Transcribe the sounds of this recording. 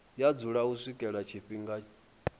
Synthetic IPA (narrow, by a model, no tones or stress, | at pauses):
jad͡zuɺauswikʼɛɺat͡ʃʰiɸiŋɡa